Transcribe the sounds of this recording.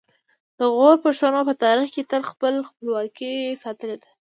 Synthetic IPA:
d̪̥əɣoɾpəʃwanopət̪ɑɾixket̪əlxpəlxpəlwɑkisɑt̪əled̪a

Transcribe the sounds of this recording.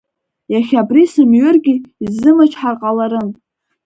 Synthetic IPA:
jaχʲabrisɨmɥʏrɡʲiizːɨmat͡ʃʰʼħarqʼalaɾɨm

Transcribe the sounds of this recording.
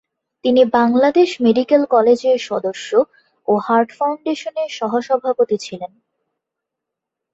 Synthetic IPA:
t̪inibaŋlad̪eʃmeɖikelkɔled͡ʑeɾʃɔd̪oʃːo | ohaɾʈfawɳɖeʃoneɾʃɔɦoʃɔbʱapot̪it͡ɕʰilen

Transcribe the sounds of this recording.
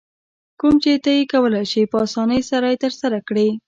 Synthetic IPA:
kumt͡ʃet̪ajekawəlajʃipəɑsɑnəjsaɾɑjt̪əɾsaɾakɽi

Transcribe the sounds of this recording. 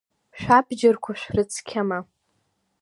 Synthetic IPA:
ʃᶣʷabd͡ʒɪrkʷʰaʃʷᶣrɨt͡sʰkʲʰama

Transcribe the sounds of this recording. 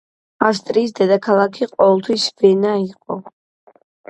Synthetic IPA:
as̬t̪ʼɾiːsd̪ɛd̪akʰalˠakʰiqʼɔvɛlˠt̪ʰwisvɛnaiqʼɔ

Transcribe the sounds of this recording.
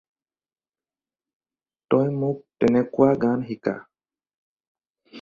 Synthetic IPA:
tɔjmuk̚tɛnɛkuwaɡanɦika̰

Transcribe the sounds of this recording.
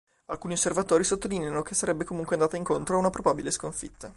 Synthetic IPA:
alkuːniosːervat̪oːɾisot̪ːolineanokesːaɾɛbːekomuŋkweand̪aːt̪aiŋkont̪ɾoaunapɾobabileskoɱfḭt̪ʰːa

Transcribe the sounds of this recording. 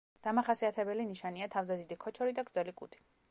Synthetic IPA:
d̪̥amaχasiat̪ʰɛbɛliniʃaniat̪ʰavzɛd̪id̪ikʰɔt͡ʃʰɔɾid̪aɡɾd̪zɛlikʼut̪ʰi̥

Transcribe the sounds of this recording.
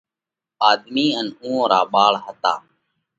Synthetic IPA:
aːd̪miːənũːõːɾaːɓaːɭɦət̪a̰ː

